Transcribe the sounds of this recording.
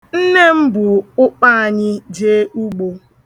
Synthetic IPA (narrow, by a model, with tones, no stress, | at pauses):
n̩˦ne˦m̩˦bʊ˨ʊ˦k͡pa˦a˨ɲɪ˦d͡ʒeː˦u˦ɡ͡bo˨